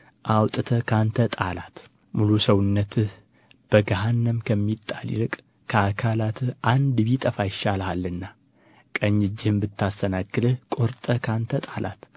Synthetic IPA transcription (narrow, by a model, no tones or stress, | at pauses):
ʔawt̪ʼɨt̪ʰəkʰant̪ʰət̪ʼalat̪ | mulusəwʊnːət̪ʰɨh | b̥əɡaɦanːəmkʰəmːit̪ʼːalḭlɨkʼ | kʰəakʰalat̪ʰɨʔand̪βit̪ʼəfajɪʃalhalːɨnːa | kʼəɲːɨd͡ʒːɪhɨmbɨt̪ʰːast̪ʰənaɡːɨd̪ɨhkʼo̞ɾt̪ʼəkʰant̪ʰət̪ʼalʔa̰t̪